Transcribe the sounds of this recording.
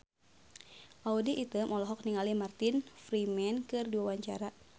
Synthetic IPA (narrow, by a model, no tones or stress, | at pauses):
ʔaudiʔːt̪ɨmʔɔlɔɦɔk̚niŋalimart̪infɾimɛnkɨrdiwawaɲt͡ʃa̰ɾa